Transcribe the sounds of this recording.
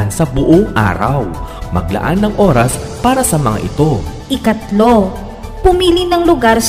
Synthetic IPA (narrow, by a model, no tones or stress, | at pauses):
nsɐbʊʔoŋʔa̰ːɾɐ̰wmɐ̰ɡ̚lɐ̰ʔa̰nːɐŋʔo̞ɾɐs | paːɾɐsɐmɐŋa̰ʔɪt̪o̞ | ʔɪkɐt̪lo̞ | pʊmiːlinɐŋlʊɡaɾs